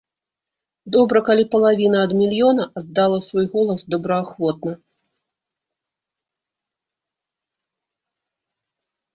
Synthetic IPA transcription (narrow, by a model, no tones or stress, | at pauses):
d̪ɔbɾɐkalʲipɐlˠavʲinɐɐd̪mʲilʲjɔnɐɐd̪dːalˠɐsvɔjɣɔlˠɐsd̪ɔbɾɐaxvɔt̪̚nɐ